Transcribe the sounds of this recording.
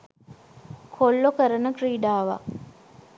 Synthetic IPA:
kʰolːokəɾənəkriːɖaːʋa̰

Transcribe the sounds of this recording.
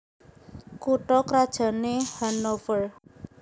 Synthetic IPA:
kuʈɔkɾad̥ʒ̥a̤nehanofər

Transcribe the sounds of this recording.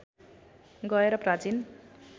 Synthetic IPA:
ɡʌeɾʌprat͡sin

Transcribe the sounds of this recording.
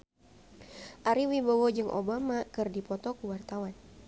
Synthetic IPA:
ʔaɾiwibɔwɔd͡ʒɨŋʔo̰bamakɨrdipɔt̪ɔkuwart̪awan

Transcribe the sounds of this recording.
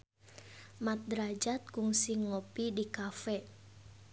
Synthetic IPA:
mat̪̚d̪ɾad͡ʒat̪̚kuŋsiŋopidikafɛ

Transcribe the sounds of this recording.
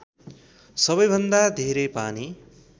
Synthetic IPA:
sʌbʌjbʱʌnd̪ad̪ʱeɾʌjpani

